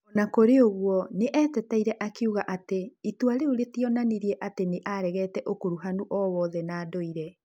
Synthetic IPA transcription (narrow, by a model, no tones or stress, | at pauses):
ɔnakoɾeoɣwɔneʔɛːtɛtaiɾɛʔakeuɣaʔateitwaɾeoɾetiɔnaneɾiɛʔateneʔaɾɛɣɛːtɛʔokuɾuɦanuʔɔwɔðɛnaːdoiɾɛ